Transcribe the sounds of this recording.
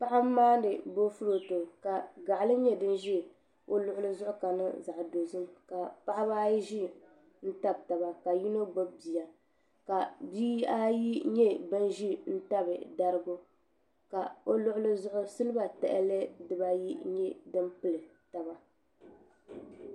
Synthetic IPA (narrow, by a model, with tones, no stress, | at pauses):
pa˦ʔa˦m˦maː˦n˦dɨ˨bo˦fu˦ɾo˨tɨ˨ka˨ɡa˨ʔlɨ˦ɲɛ˦dɨ˦nʒi˦˨ | o˦lʊ˦ʔʊ˦lɨ˦zʊ˦ʔʊ˦ka˨nɨ̰˦za˨ʔdo˨zɨ˦mka˨pa˦ʔa˦ba˦ji˦ʒi˦ | n̩˦ta˦b̚ta˨ba˨ka˨ji˦no˦ɡ͡bo˦bbi˨ja˨ | ka˨biː˦a˦ji˦ɲɛ˦bɨ˦nʒi˦n̩˦ta˦bɨ˨da˦ɾɨ˦ɡʊ˦ | ka˨o˦lʊ˦ʊ˦lɨ˦zʊ˦ʔʊ˦sɨ˦lɨ˦ba˨tɛ̰˨ʔɛ̰˦lɛ˦dɨ˨ba˦ji˦ɲɛ˦dɨ˦mpɨ˦lɨ˨ta˨ba˦